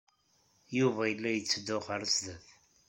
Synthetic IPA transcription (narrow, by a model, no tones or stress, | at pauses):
juvæjəlːæjət͡sːd̪ʊχəɾəsðəθ